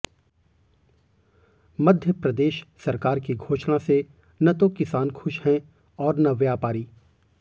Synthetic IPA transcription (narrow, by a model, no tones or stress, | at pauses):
mɐd̪ʱjəpɾɐd̪eːʃsɐɾkaːɾkiɡʱoːʃnase | nɐt̪okɪsaːnxʰʊʃhɛ̃ | ɔːɾnɐʋjaːpaːɾiː